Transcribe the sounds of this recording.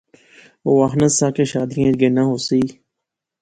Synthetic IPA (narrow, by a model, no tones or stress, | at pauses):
oːaxnəsãːkeːʃaːd̪iẽd͡ʒɡeːnãːɦoːsiː